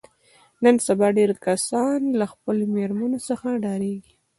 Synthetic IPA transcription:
nənsabɑɖeɾkasɑnlaxpəlomeɾmanosəxaɖɑɾeɡi

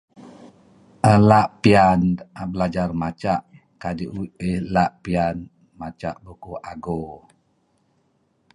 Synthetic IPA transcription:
ʔəlaʔpianabəlad͡ʒarmat͡ʃaʔ | kadiʔuəlaʔpian | mat͡ʃa̰ʔbukuʔaɡo

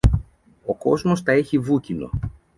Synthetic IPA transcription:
o̞ko̞zmo̞st̪ɐe̞çivucino̞̰

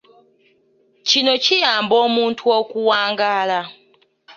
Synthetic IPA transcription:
cino̞cijaːmboːmuːntʰuokuwaːŋɡaːla

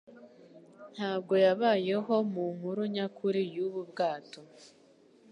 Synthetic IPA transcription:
n̥haːbɡo̞jaβaːje̞ɦo̞muŋuɾuɲakʰuɾijuβubɡaːto̞

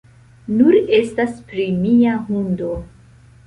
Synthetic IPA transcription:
nuɾe̞staspɾimiaɦundo̞

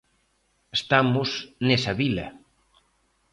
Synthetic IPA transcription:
est̪amʊsnesɐβilɐ

